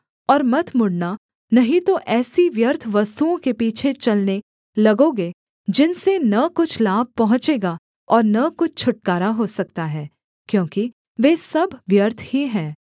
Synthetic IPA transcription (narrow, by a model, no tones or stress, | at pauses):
ɔːɾmɐt̪ʰmʊɽna | nɐɦĩt̪oʔɛːsiʋjɐɾt̪ʰʋɐst̪uõkepiːt͡ʃʰet͡ʃɐlne | lɐɡõːɡeː | d͡ʒɪnsenɐkʊt͡ʃʰlaːb̚pɐɦʊ̃t͡ʃeːɡa | ɔːɾnɐkʊt͡ʃʰt͡ʃʰʊʈ̚kaːɾaɦosɐk̚t̪aɦɛː | kjõːki | ʋeːsɐbʋjɐɾt̪ʰhiɦɛ̃ː